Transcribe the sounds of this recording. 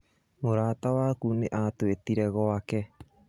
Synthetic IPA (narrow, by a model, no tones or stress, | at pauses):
moɾaːt̪awakuneʔaːt̪uet̪iɾeɣoake